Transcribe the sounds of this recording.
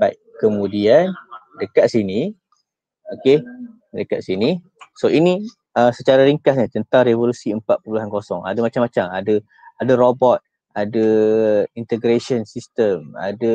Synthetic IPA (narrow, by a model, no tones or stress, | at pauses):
bajʔkəmũdian | dəkat̪̚sini | oke | dəkaʔ̪̚sini | soini | əsət͡ʃaɾaɾiŋkasɲat̪ənt̪aŋrevolusiəmpat̪ʔ̪̚pəuluɦankosɔŋa̰damat͡ʃamat͡ʃamadə | adarobɔt̪̚ | adə | int̪əɡɾesɔnsist̪əma̰də